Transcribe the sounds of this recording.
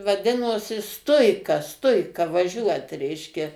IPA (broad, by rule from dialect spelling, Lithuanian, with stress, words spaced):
ʋɐˈdʲɪnoːsʲɪ ˈstʊɪkɐ ˈstʊɪkɐ ʋɐˈʒʲuɔt ˈrʲɛɪʃʲkʲɛ